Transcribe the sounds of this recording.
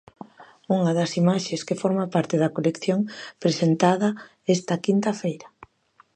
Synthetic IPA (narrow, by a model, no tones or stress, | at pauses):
uŋɐðɐsimaʃeskefoɾmapaɾt̪eðɐkolekθjoŋpɾesent̪aðɐ | ɛst̪ɐkint̪ɐfejɾɐ